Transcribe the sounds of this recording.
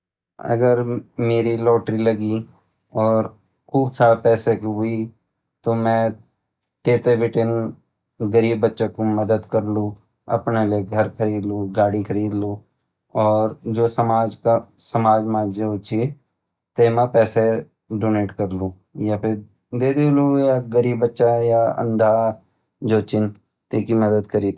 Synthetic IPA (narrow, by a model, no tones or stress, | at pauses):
ɐ̰ɡəɾmeːɾilɔːʈɾilɐɡi | ɔːɾ | kuːbsaːɾepɛːsekɦʊi | t̪omɛ̃ː | t̪eːt̪eʋɪʈɪn | ɡəɾiːbːətːʃãkomɐd̪əd̪kɐɾlũ | ɐ̰pneleɡʱɐɾkʰɐɾiːd̪luɡaːɽikʰɐɾiːd̪lu | ɔːɾd͡ʒoːsəmaːd͡ʒkasəmaːd͡ʒmaːd͡ʒjəɦʊt͡ʃʰi | t̪eːmãpɛːse | ɖoːneːʈkəɾlũː | japʰɪɾ | d̪eːd̪eːlũjaɡəɾiːbːətːʃajaə̰̃nd̪ʱa | d͡ʒoːt͡ʃɪn | t̪eːkiməd̪əd̪kəɾiːd̪